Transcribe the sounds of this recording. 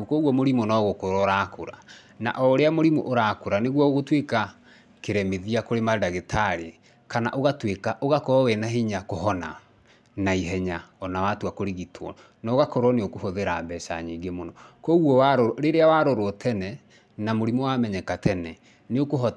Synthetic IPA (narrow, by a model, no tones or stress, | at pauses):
ukɔɣwɔmoɾimonɔɣokoɾɔɾakoɾa̰ | na̰ʔɔɾeamoɾimoʔoɾakoɾaneɣwɔoɣotweka | keɾɛmeðiakoɾemadaɣetaɾe | kana̰ʔoɣatwekaʔoɣakɔɔwɛnaɦiɲakoɦɔna | naiɦɛɲaɔnawatuakoɾeɣitʰwɔ̰ | nɔoɣakɔɾɔneokohoðeɾaːbɛʃa̰ɲiɡemonɔkɔɣwɔwaɾoɾeɾeawaɾoɾwɔtʰɛnɛ | namoɾimowamɛɲɛkatɛnɛ | neokoɦɔ